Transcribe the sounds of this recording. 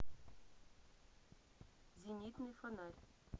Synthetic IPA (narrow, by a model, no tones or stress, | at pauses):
zʲinʲit̪nɨfonɑrʲ